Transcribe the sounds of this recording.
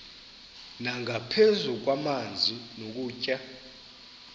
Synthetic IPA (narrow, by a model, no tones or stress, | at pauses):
naŋʱapʰɛzuk̬wamand͡zʱinok̬uːcʼa